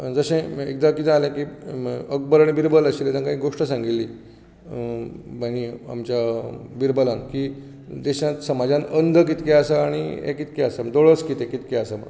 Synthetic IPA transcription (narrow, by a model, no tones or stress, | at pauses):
d͡zəɕẽek̚d̪akit̪ãalẽkiək̚bəɾaɽ̃ibiɾbələɕilet̪ankaɦĩːɡoʂʈəsãŋɡilːi | bañia̰mt͡ɕjabiɾbəlanki | d̪eɕãt̪səmad͡zãnənd̪ʱək̬it̪kɛasaaɽ̃iɛ̰kit̪kɛasad̪oɭəskit̪ẽkit̪kɛasama̰